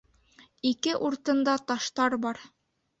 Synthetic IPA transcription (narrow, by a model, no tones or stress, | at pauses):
ikɘʔuɾt̪ɤ̆nd̪ɑt̪ɑʃt̪ɑɾbɑɾ